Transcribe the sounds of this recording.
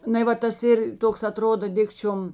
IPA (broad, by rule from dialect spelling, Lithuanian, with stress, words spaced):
ˈnɐɪ ˈʋɐ tɐs ˈɪr ˈtoːks ɐˈtroːdoː ˈdʲɪkt͡ʃʲoːm